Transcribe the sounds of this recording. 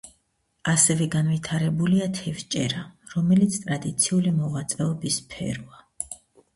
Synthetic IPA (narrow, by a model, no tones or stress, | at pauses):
asɛvɛɡanvit̪ʰaɾɛbuliat̪ʰɛvt͡ʃʼɛɾaɾɔmɛlit̪sʰt̪ʼɾad̪it̪sʰiulimɔʁat̪sʼɛɔbispʰɛ̰ɾɔa